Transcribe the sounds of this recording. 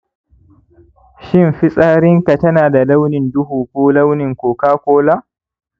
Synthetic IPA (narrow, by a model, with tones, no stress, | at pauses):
ʃɪ˦mɸɪ˦sʼaː˦ɾɪ˦ŋka˨tɐ˦naː˨da˨la˦wnɪ˨ndʊ˦ɦuː˨kʷoː˦la˦wnɪ˨ŋkʷoː˨kaː˦kʷoː˦laː˦